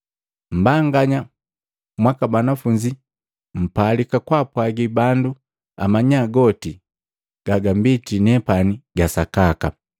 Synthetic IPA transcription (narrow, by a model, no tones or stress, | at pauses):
m̩baŋɡaɲa | mwakabanafuɲd͡ʒi | m̩palikakwapwaɡibandu | a̰maɲaɡɔti | ɡ̥aɡambitinɛpaniɡasakaka